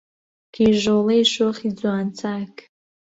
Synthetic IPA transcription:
kʰiʒolejʃoχʲid͡zaːnt͡sʰakʼ

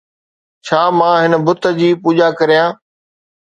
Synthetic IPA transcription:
t͡ɕʰaːmãːɦɪnəbʊt̪ə̆d͡ʑiːpuːʄakɐɾijãː

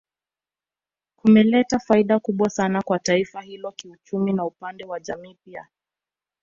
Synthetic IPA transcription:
kumɛlɛtafaiɗakuɓwasanakwataifahilɔkiut͡ʃuminaupandɛwaʄamiːpia̰

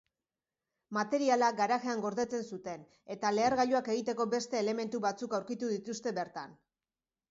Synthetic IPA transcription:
mat̪e̞ɾialaɡaɾaɣe̞aŋɡo̞ɾðe̞t͡se̞nsut̪e̞n | e̞t̪ale̞aɾɣaʎuake̞ɣ̞it̪e̞ko̞be̞st̪e̞ːle̞me̞nt̪uβat͡sukawɾkit̪uðit̪ust̪e̞βe̞ɾt̪an

